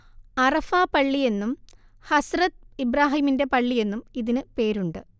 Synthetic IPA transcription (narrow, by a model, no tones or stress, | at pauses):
ɐrɐfaːpɐɭːije̞nːum | hɐsrɐt̪ibɾaːɦiːminde̞pɐɭːije̞nːumiðinɨpe̞ːɾuɳɖɨ